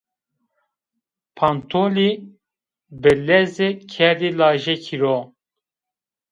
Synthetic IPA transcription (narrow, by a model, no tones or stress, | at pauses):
pʰant̪ʰoli | bɨlɛzekʰɛdilɑːʒɛkʰiɾo